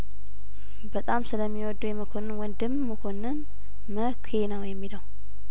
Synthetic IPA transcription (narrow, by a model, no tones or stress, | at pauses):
bət̪ʼamsɨləmːiwɔd̪ːujɛməkʰo̞nɨnwɔnd̪ɨmːəkʰo̞nɨn | məkʷʰenəwjɛmːiləw